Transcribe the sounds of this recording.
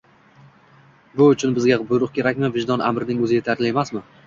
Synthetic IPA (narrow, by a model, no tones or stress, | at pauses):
bʊːt͡ʃʰʊnbɪzɡʲabʊjɾʊqkʲʰe̞ɾakʲmɪvɪʒd̪ɒnʔa̰mɾɪnɪŋɵzɪjet̪ʰaɾlɪe̞masmɪ